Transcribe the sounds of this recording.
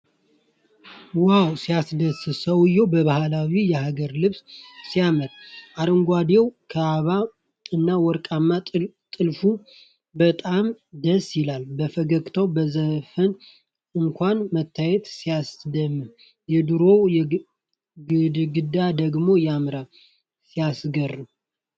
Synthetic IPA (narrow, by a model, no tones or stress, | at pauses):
wawsijasd̪əsɨsəwɨjɛwbəβahlawijɛhaɡəɾlɨβssijaməɾʔaɾəŋɡʷad̪ewkʰəaβa | ɨnːawɔɾkʼamːat̪ʼɨlfu | bət̪ʼamd̪əsjɪlalbəfəɡəkʼt̪ʰəwbəzəfən | ɨŋkʷʰanmət̪ʰːajɛt̪sijasd̪əmːɨn | jɛd̪ɨɾo̞jɛ | ɡɨd̪ɡɨd̪ad̪əɡmo̞jamɾal | sijasɡərːɨm